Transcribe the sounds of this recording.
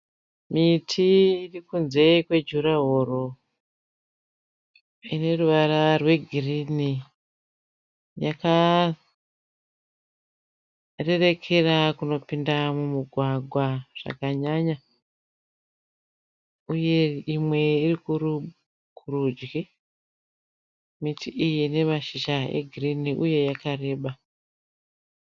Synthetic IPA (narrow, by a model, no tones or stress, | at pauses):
mitʰiirikunze̞kwe̞d͡ʒuɾaɦo̞ɾo̞ | ine̞ruʋaɾarwe̞ɡʱirini | jaka | re̞re̞kʰe̞rakuno̞pindamumuɡʱwaɡʱwaʐ̥a̰kaɲaɲa | uje̞imwe̞irikuru | kʰurud͡ʒɡi | mitiʔijine̞maʃiʃaḛɡʱiriniʔuje̞jakaɾe̞ːɓa